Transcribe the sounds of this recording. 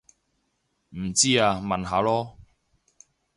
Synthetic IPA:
m̩˨˩t͡siː˥aː˧mɐ˨nɦaː˨˥lɔː˥

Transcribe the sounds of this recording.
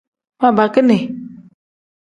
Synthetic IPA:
mã˨ba˨ke˦nɛ̃˨

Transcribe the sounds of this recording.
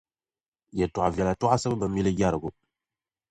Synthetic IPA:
je˨tu˨a˨vja˨la˨tɔ˦a˦sə˦bə˦bə˨mi˦li˦ɡʲa˦ɾə˨ɡo˨

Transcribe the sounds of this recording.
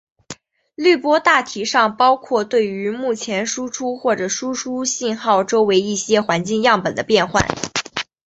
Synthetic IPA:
ly˥˩pwɔ˥t̪a˥˩t̪ʰi˧˥ʂɑ˥˩ŋpɑ˥ʊkʰwɔ˥˧t̪we˥˩ɪy˧˥mu˥˩t͡ɕʰjɛ˧˥nʂu˥ʈ͡ʂʰu˥xwɔ˥˩ʈ͡ʂɤ˨˩ʂu˥ʈ͡ʂʰu˥ɕi˥˧nxɑ˥˩ʊʈ͡ʂo˥ʊwe˧˥ɪi˥˩ɕjɛ˥xwa˧˥nt͡ɕi˥˧ŋjɑ˥˩ŋpə˨˩nd̪ə˦pjɛ˥˧nxwa̰˥˩n

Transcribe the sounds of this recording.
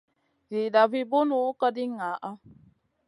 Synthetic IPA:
zi˨da˨vi˦bo˦nu˦kə˦di˦ŋa˨˦ʔa˦

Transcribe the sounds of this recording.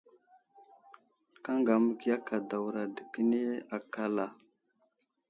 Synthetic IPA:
ka˦ŋɡa˨mə˦ki˦ja˦ka˨da˨wɾa˨də˨kə˦ne˦a˨ka˦la˨

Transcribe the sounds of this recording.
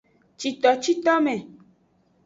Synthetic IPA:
t͡ʃi˨t̪ɔ˨t͡ʃi˦t̪ɔ˦mɛ̃˨

